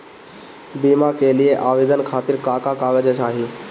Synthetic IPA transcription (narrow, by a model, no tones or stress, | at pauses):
biːmakelijeʔaːʋeːd̪ənkʰaːt̪ɪɾkaːkakaːɡəd͡ʒət͡ʃʰaːɦĩː